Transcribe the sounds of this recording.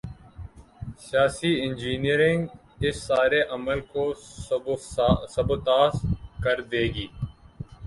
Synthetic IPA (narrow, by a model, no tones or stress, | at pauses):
sɪjaːsiɪ̃nd͡ʒiːniəɾɪ̃ŋɡ | ɪsːaːɾeʔɐməlkoː | sɐbot̪aːskɐɾd̪eːɡiː